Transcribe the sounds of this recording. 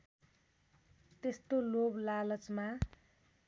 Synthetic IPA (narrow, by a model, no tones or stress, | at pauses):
t̪est̪oloblalʌt͡sma